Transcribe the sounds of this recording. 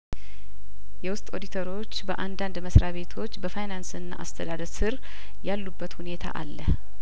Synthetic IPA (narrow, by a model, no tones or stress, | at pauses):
jɛwʊst̪ʼo̞d̪it̪ʰəɾo̞t͡ʃːbəʔand̪and̪məsɾaβe̞t̪ʰo̞t͡ʃːbəfajnansɨnːa̰ʔa̰st̪ʰəd̪ad̪əɾsɨɾ | jalːubːət̪hune̞t̪ʰa̰ʔa̰lːəh